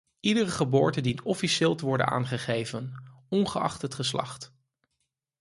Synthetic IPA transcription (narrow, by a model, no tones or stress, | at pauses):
idərəχəbʊːɹtəndintɔfiʃɪːlˠtəʋɔɹdə̰na̰ːnχəχejvən | ɔnχəɑ̰χtətχəslɑ̰χt